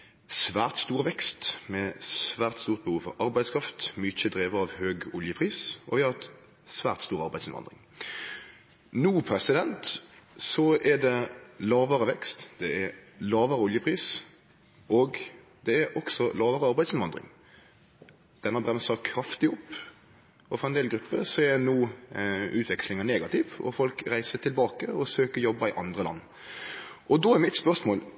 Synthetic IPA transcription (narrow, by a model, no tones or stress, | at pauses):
sʋæːʁt̪st̪uːʁʋɛkst̪mɛsʋæːʁt̪st̪uːʁt̪̚bəhuːfɔ̰ɾɑɾbæɪd̪skʰɾɑft̪mʏt͡ʃəd̪ɾeːʋəɑʋhøːɡʊljəpʰʁiːsɔʋɪhɑʁɛt̪ | sʋæːʁt̪st̪uːʁɑʁbæɪsɪnʋɑ̰nd̪ʁɪ̰ŋ | nuːpʰɾɛsɪd̪ɛnt̪sɔɛd̪ɛlɑːʋəʁəʋɛkst̪d̪̥ɛɛlɑːʋəʁəʊljəpʰɾiːs | ɔɡ | d̪ɛːɾʔɔksɔlɑːʋəɾəɑɾbæɪd̪sɪnʋɑnd̪ʁɪ̰ŋ | d̪̥ɛnːəbɾɛmsəkʰɾɑft̪ɪʊpː | ɔfɔɾɛnd̪eːlɡɾʉpːəsɔɛnuː | ʉːt̪ʰʋɛkslɪŋɑneːɡɑt̪ʰɪːʋɔ̰fɔlkɾæɪsət̪ʰɪlbɑːkəɔsøːkəɾjɔbːɑɪʔɑnd̪ʁəlɑ̰nː | ʔɔd̪oːæɾmɪt̪spœʁsmoːl